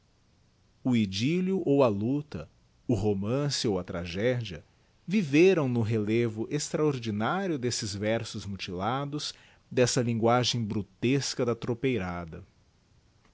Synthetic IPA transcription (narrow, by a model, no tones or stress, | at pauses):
ʊid͡ʒiljʊʔowɐlut̪ɐ̰ | ʊɦomɐ̃sɪowɐt̪ɾaʒɛd͡ʒiɐ | viveɾɐ̃w̃nʊɦelevʊʔest̪ɾaoɾd͡ʒinaɾjʊd̪esɪzvɛɾsʊzmut͡ʃilad̪ʊs | d̪ɛsɐlĩŋɡwaʒẽj̃bɾut̪eskɐd̪ɐt̪ɾopejɾad̪ɐ